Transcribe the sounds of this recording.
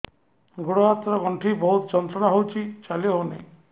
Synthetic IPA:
ɡoɽɔat̪ɾɔɡɔɳʈʰibɔut̪ɔd͡ʒɔnt̪ɾɔnaɦowt͡ʃʰit͡ʃaliɔɦonḛ

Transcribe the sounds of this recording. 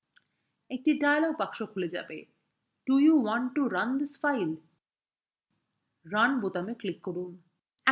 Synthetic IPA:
ek̚ʈiɖajlɔɡ̚pakʃokʰuled͡ʑa̰be | ɖ̥ujuwɔɳʈːuɾand̪isfajl | ɾanbot̪ameklikːoɾun

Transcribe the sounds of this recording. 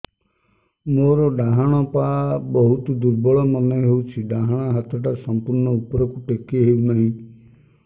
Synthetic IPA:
moɾɔɖaɦaɽ̃ɔpabɔɦut̪ud̪uɾbɔɭɔmɔneɦeut͡ʃʰiɖaɦaɽ̃aɦət̪ʰɔʈasɔmpuɾɳɔupɔɾɔkuʈekːeɦeunaɦĩ

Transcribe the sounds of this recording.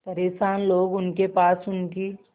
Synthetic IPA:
t̪əɾeːsaːnloːɡʊnkepaːsʊnt̪iː

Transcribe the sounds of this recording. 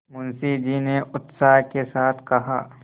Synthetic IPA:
mʊnsid͡ʒineʊt̪saːɦkesaːt̪ʰkɐɦaː

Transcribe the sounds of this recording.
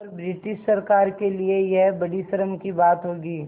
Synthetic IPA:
ɔɾbɾɪʈɪʃsɐɾkaːɾkeliejebɐɽisəɾəmkibaːt̪ɦoːɡiː

